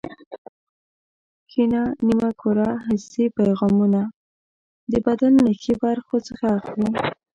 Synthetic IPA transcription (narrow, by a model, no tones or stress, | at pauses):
xinɑnimakʰoɾɑɦɪsipajɣɑmuna | d̪əbad̪anːaxibaɾxot͡səxaːxli